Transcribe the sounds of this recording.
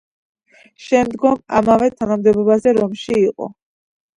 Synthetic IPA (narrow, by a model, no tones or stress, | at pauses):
ʃɛmd̪ɡɔma̰mavɛt̪ʰanamd̪ɛbɔbazɛɾɔmʃiːqʼɔ̰